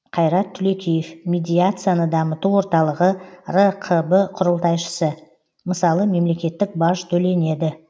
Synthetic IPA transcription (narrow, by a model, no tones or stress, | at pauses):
qʰɑjɾɑt̪ʰːʏle̞kʲʰejefmʲed̪ʲijat̪sɨjanəd̪ɑmət̪uwwo̞ɾt̪ɑlˠəʁərəqʰəbəqʰʊɾəlˠt̪ɑjʃə̥sə | məsɑlˠəme̞mle̞kʲe̞t̪ːɪk̚bɑʒt̪ʰɵle̞ne̞d̪ɪ